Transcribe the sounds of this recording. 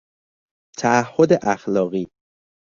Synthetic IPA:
t̪ʰæːhːod̪eʔæxlɒːɣiː

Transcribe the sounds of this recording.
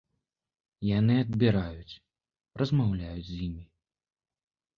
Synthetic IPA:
janɨɐd̪bʲiɾajut͡sʲ | rɐzmawlʲajud͡zʲzjimʲi

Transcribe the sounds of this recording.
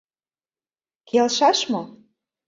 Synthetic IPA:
kʰelʃɑʃmo

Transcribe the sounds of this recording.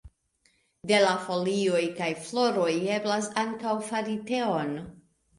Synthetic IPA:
de̞lafo̞lio̞jkajflo̞ɾo̞je̞blasaŋkawfaɾite̞o̞n

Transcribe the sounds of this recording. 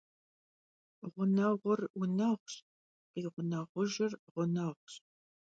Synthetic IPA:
ʁʷʊnɐʁʷʊrʊnɐʁʷɕ | qiːʁʷʊnɐʁʷʊʒɪrʁʷʊnɐʁʷɕ

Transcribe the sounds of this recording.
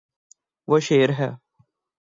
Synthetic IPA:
ʋoʃeːɾɦɛː

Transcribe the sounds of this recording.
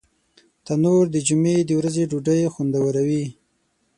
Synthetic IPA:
t̪anoɾd̪əd͡ʒumed̪əwɾazeɖuɖəjxund̪awəɾawi

